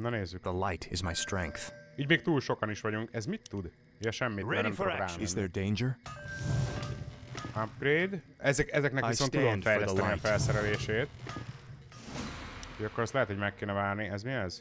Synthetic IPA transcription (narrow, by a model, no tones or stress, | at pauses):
nɔneːzːykdəlajtʰɪzmajstɹɛ̃ŋkθiːɟmeːk̚t̪uːlʃo̞kɒniʃʋɒɟuŋkɛzmit̪ːud̪ | jɛʃɛmːit̪ɹɛnɛmtfaːzɛdẽjnd͡ʒəɹ | apkreːd̪ɛzɛkɛzɛknɛkʋiso̞nt̪ud̪omfɛjɛsɛniɒfɛlsɛɾɛleːʃeːt̪ | eʃɒkːo̞ɾɛstlɛɦɛt̪ho̞ɟmɛkːeːnɛvaːrniɛzmiɛz̥